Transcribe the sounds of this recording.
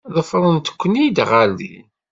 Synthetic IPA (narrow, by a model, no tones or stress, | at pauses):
ðˤəfɾˤənt̪ə̥kʷːənijd̪ʁælːḭ